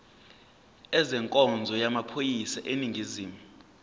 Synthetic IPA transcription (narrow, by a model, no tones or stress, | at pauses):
ɛzɛŋkʼɔnd͡zʱɔjamapʰojisaʔeniŋɡʱiziːmu